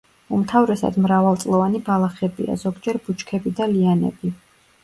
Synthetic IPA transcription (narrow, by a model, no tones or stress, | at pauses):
umt̪ʰavɾɛsa̰d̪mɾavalˠt̪sʼlˠɔvanibalˠaχɛbḭa̰zɔɡd͡ʒɛɾbut͡ʃkʰɛbid̪alianɛ̰bi